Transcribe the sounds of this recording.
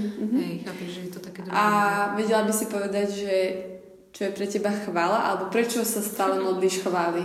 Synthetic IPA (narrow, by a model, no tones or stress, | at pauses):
m̩ɦ̩̪ | aʋɛɟɛlabisipɔʋɛd̪aɟʒɛ | t͡ʃɔjɛpɾɛcɛbaxʋaːlaʔa̰lɛbɔpɾɛt͡ʃɔsast̪aːlɛmɔd̪liːʃxʋaːli